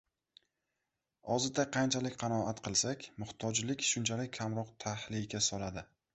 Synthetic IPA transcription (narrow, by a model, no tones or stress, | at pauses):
ɒzɪt̪aqʰɑnt͡ʃʰalɪkʲqʰɑnɒat̪qʰɨlˠsakʲmʊht̪ʰɒd͡ʒlɪkʲʃʊnt͡ʃʰalɪkʲʰːamɾɒqt̪ʰahlɪkʲasɒlad̪ɪ